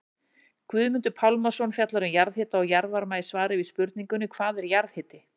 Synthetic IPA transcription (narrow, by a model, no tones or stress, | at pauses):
kʰvʏðmʏnt̪ʏpʰawlmasɔnfjat̪laɾʏmjaɾðhɪːt̪aɔwjaɾvaɾmaːjsvaːɾɪviðspʏɾt̪niŋkʏnːʏkʰvaːðɛɾjaɾðhɪːt̪ɪ